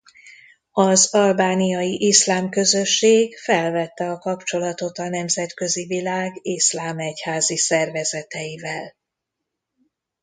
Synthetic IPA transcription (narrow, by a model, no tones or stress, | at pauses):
ɒzɒlbaːnijɒjiʔislaːmkø̞zø̞ʃːeːɡfɛlvɛt̪ːɛɒkɒpt͡ʃo̞lɒt̪o̞t̪ɒnɛmzɛt̪kø̞zivilaːɡislaːmɛchaːzisɛrvɛzɛt̪ɛjivɛl